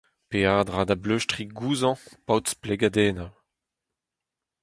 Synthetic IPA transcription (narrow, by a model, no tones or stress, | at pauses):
peaːd̪ʁad̪abløʃtʁiɡuːzɑ̃pawt̪spleɡad̪ɛːnaw